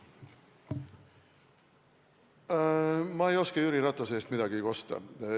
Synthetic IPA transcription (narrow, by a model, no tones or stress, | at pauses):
mɑejo̞skejyɾiɾɑt̪ːˑos̬eːst̪mid̪ɑɡiko̞st̪ɑ̰